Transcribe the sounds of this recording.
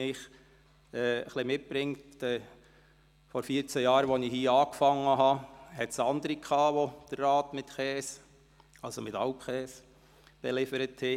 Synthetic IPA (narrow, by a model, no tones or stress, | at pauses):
ɪχ | ɛːə̰χlimɪt̚b̥ɾɪŋtɛ | fɔɾfiːət͡sɛjɑːɾʋɔnihiːɑːkfɑŋːəɦɑhɛtsɑnd̪əɾikʰχɑːʋod̥ərːɑːtmɪtχɛːs | ɑlsomɪtɑʊpχɛːs | b̥ɛlɪfəɾətʰhɛ